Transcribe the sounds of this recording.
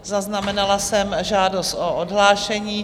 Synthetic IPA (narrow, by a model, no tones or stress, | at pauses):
zaznamɛnalasɛmʒaːdo̞st̪ʔoʔodɦlaːʃɛɲiː